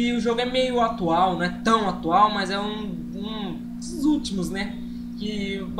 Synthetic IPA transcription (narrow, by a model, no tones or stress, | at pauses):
ɪʊʒoɡʊɛmejʊat̪uawnɐ̃w̃ɛt̪ɐ̃w̃at̪uawmɐzɛũ | ũ | szut͡ʃimʊznɛ | kɪb